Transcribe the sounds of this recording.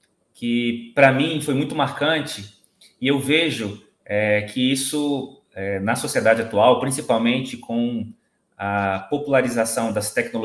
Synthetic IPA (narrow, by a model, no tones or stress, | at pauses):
kɪpɾɐmĩfojmũj̃t̪ʊmaɾkɐ̃t͡ʃɪ | ɪewveʒʊ | ɛkʰɪisʊ | ɛnɐsosied̪ad͡ʒɪat̪uawpɾĩsipawmẽnt͡ʃɪkʰõw̃ | ɐpopulaɾizasɐ̃w̃d̪ɐst̪ɛknol